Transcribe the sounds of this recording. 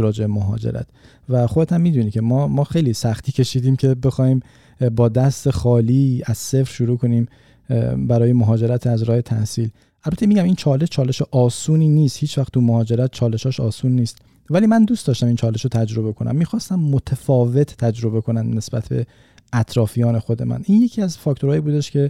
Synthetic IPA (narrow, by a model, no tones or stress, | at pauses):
ɾɒːd͡ʒebemoɦɒ̰ːd͡ʒḛɾæ̰t̪ | væxod̪et̪ʰæmːiːd̪uːnicʰe̞mːmɒːxe̞jlisæxt̪ʰiːcʰe̞ʃiːd̪iːmcʰe̞be̞xɒːhiːm | bɒːd̪æst̪e̞xɒːliːæz̥sefɾ̥ʃuɾuːkʰo̞niːm | bæɾɒːje̞moɦɒːd͡ʒe̞ɾæt̪ʰæzɾɒːhe̞t̪ʰæhsiːl | ʔælbæt̪ʰːemiɟæmint͡ʃʰɒːle̞ʃt͡ʃʰɒːle̞ʃeʔɒːsuːniːniːst̪hiːt͡ʃvæxt̪ʰːumohɒːd͡ʒe̞ɾæt̪̚t͡ʃʰɒːle̞ʃɒːʃɒːsuːnːiːst̪ | væliːmænd̪uːst̪ɒːʃt̪æmint͡ʃʰɒːle̞ʃot̪ʰæd͡ʒɾo̞be̞kʰo̞nʔæ̰mːiːxɒːst̪æmːot̪ʰæfɒːve̞t̪ʰt̪ʰæd͡ʒɾo̞be̞kʰo̞næmdne̞sbæt̪ʰbe̞̰ | æt̪ʰɾɒːfijɒːne̞xo̞d̪e̞̰mæ̰nʔinjecʰiæzfɒːkʰt̪oɾɒːjiːbuːd̪e̞ʃcʰe̞